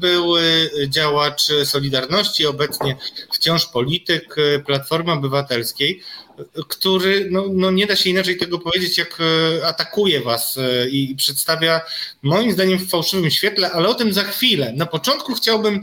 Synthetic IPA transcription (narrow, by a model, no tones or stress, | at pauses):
bɘwd͡ʑawat͡ʂsɔlʲid̪aɾnɔɕt͡ɕiɔbɛt̪sɲɛft͡ɕɔ̃ʂpɔlʲit̪ɘkplat̪fɔɾmɘɔbɘvat̪ɛlskʲej | kt̪uɾɘnɔnɔɲɛd̪aɕɛinat͡ʂɛjt̪ɛɡɔpɔvʲjed͡ʑet͡ɕjakat̪akujɛvasipʂɛt̪st̪avʲjamɔjimzd̪aɲɛmffawʂɘvɘmɕfʲjɛt̪lɛʔalɛɔt̪ɘmzaxfʲilɛnapɔt͡ʂɔnt̪̚kuxt͡ɕawbɘm